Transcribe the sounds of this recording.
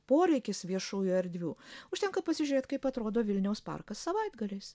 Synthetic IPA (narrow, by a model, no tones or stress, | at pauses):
poːɾʲɛɪkʲɪsʋʲiɛʃuːjʊɐɾʲd̪ʲʋʲuːʊʃt̪ʲɛŋkɐpɐsʲɪʒʲʊɾeːt̪kɐɪpɐt̪ɾoːd̪oːʋʲɪlʲnʲɛʊspɐ̰rkɐssɐʋɐɪd̪ɡɐlʲeːs